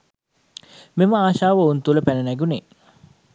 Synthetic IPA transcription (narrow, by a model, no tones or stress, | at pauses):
meməaːʃaːʋəunt̪uləpænənæɡune